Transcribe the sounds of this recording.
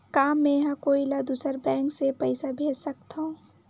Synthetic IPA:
kaːmːẽɦãkoːilad̪usəɾbɛ̃ːŋksepəɪsabʱeːd͡ʒsəkt̪ɦõ

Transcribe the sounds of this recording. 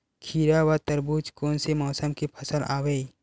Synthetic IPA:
kʰiːɾawat̪əɾbuːt͡ʃkoːnsemɔːsəmkipʰɐsəlʔa̰ːwei

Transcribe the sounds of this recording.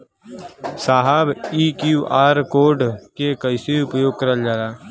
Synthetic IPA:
saːɦabiːkjuːʔaːɾkoːɾɖkekəɪseiʊpjoːɡ̚kəɾəld͡ʒaːɾaː

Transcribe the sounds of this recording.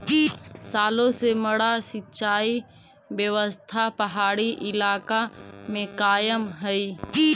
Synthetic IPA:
saːlõseməɽasɪtːt͡ʃaːi | bjəʋəst̪ʰapəɦaːɽiʔɪlaːkamẽkaːjəmɦəi

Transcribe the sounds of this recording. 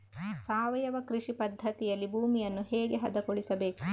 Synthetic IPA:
saːʋɐjɐʋɐkɾiʂipɐd̪ʱːɐt̪ijɐlːibʱuːmijɐnːuɦɛːɡeɦɐd̪ɐkoɭisɐbe̞ːku

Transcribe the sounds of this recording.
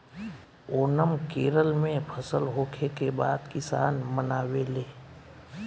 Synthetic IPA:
oːnəmkeːɾəlmẽpʰəsəlɦoːkʰekebaːd̪kɪsaːnmənaːweːleː

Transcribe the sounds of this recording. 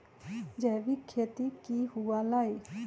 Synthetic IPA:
d͡ʒɛːʋiːkʰeːt̪ikiːɦʊaːlaːiː

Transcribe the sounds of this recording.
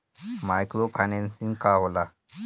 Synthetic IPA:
majkɾopʰajnensĩŋɡkaɦola

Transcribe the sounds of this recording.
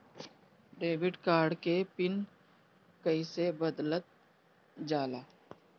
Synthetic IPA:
ɖeːbɪɖkaːɾɖkepɪn | kəisebəd̪lət̪̚ | d͡ʒaːlaː

